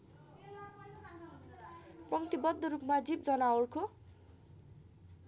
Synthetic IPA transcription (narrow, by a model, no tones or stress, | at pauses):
pʌŋt̪ibʌd̪ːoɾupmad͡zibd͡zʌnawrkʰo